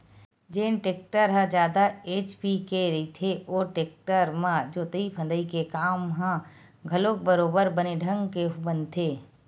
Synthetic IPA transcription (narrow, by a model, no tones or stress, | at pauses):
d͡ʒeːnʈeːk̚ʈəɾɦə̃d͡ʒjaːd̪aeːt͡ʃpikeɾəit̪ʰeʔoːʈeːk̚ʈəɾmãd͡ʒoːt̪əipʰə̃nd̪əikekaːmɦã | ɡʱɐlok̚bəɾoːbəɾbəneɖʱə̃ŋɡkeɦbə̃nt̪ʰeː